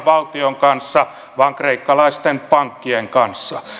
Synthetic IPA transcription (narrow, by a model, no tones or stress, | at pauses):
ʋɑlt̪ioŋkɑnsːɑ | ʋɑːŋkreikːɑlɑist̪enpɑŋkːieŋkɑnsːɑ